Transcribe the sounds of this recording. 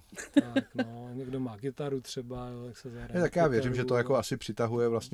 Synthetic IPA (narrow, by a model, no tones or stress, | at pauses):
t̪aknoɲɛɡdomaːɡɪt̪aɾut̪r̥ɛbajoːt̪aksɛzaɛt̪akjaːvjɛɾimʒɛt̪o̞jakoasɪpr̝̥ɪt̪aɦujɛvlast̪ɲ